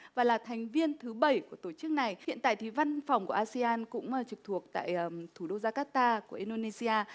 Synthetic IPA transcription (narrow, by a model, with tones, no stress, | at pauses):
vaː˨˩laː˨˩t̪ʰɛ˨˩jŋ̟vi˧ənt̪ʰɨ˨˦ɓə˧˩jku˧˩ət̪o˧˩t͡ɕɨ˦˥k̚na˨˩jhḭ˧˨ənt̪a̰ː˧˨jt̪ʰi˨˩va˧nfɔ˨˩wŋ͡mku˧˩əʔaː˧si˧ʔaː˧nkʊ̰˧˥ŋ͡mʔəː˨˩t͡ɕɨ˨˩k̚t̪ʰu˨˩ək̚t̪a̰ː˧˨jt̪ʰu˧˩ɗo˧zaː˧kaː˦˥t̪aː˧ku˧˩əʔi˧nɗo˧ne˧si˧aː˧